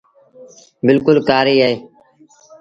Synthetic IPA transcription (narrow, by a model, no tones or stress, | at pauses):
bɪlkʊlkaːɾiːɦeeː